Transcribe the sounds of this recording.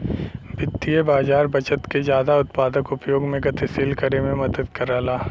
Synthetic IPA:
bʱɪt̪ːijebaːzaːɾbɐt͡ʃət̪kezjaːd̪aʊt̪paːd̪əkʊpjoːɡmẽɡɐt̪ʰesɪlkəɾemẽmɐd̪əd̪kɐɾaːlaː

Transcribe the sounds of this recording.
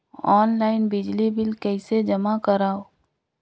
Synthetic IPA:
ɔːnlaːɪnbɪd͡ʒlibɪlkɛɪsed͡ʒɐmakəɾaːo

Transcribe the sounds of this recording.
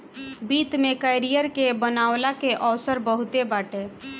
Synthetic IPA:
bit̪mekəjɾijəɾkebənawlakeʔəwsəɾbəɦut̪ebaʈe

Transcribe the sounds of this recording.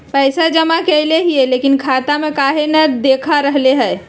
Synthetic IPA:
pɛːsad͡ʒɐmakeleɦieleːkɪnkʰaːt̪amẽkaːɦenɐd̪eːkʰaɾəɦleɦɛː

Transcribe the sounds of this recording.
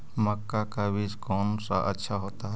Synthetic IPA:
məkːakabiskoːnsa̰ʔətːʃʰaɦoːt̪aɦɛ

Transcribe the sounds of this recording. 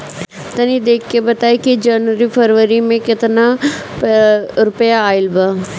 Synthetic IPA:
t̪ɐnĩd̪eːkʰkebɐt̪aːikid͡ʒɐnʋəɾipʰɐɾʋəɾimẽkɪt̪na | ɾʊpjaːɪlbə

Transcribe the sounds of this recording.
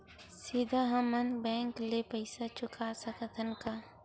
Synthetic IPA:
sid̪ʱaɦɐmənbɛ̃ːŋklepəɪsat͡ʃʊkasəkət̪ʰənka

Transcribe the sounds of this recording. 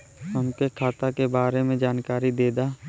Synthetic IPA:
əmk̪ekʰaːt̪akebaːɾemẽd͡ʒaːnkaːɾid̪eːd̪aː

